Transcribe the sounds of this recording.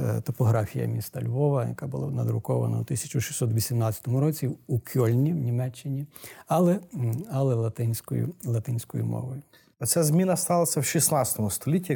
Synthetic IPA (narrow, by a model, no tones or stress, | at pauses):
t̪ɔpɔɦɾɑfʲijɐ̰mʲist̪ɐlʲʋɔʋɐjɐ̰kabʊlˠanɐd̪ɾʊkɔʋɐ̰nɐ̰ut̪ɪsʲɐ̥t͡ʃʊʃi̥sʲɔt̪ʋʲisʲimnɑt͡sʲɐ̥t̪ɔmʊɾɔt͡sʲiukʰʲɔlʲnʲiwnʲimɛt͡ʃːɪnʲiɐlˠɛɐlˠɛlˠɐt̪ɪnʲsʲkɔ̰jʊ̰lˠɐt̪ɪnʲsʲkɔjʊmɔ̰ʋɔjʊ | ɔsʲazʲmʲinɐst̪ɑlˠɐsʲɐwʃisnat͡sʲɐ̥t̪ɔmʊst̪ɔlʲitʲːi